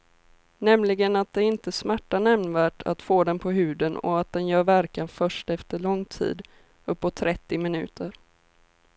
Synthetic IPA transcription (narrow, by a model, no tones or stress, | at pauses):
nɛmlɪɡənat̪̚d̪ɛɪnt̪əsmæʈːanɛmnvæːʈʰa̰t̪foːd̪ɛnpʰɔɦʉ̟ːd̪ənɔ̰at̪̚d̪ɛnjœːɾvæɾkanfœʂʈɛft̪əɭɔŋːt̪ʰḭːd̪ | ɵpːɔt̪ʰːɾɛt̪ːɪmɪnʉ̟̰ːt̪ʰəɾ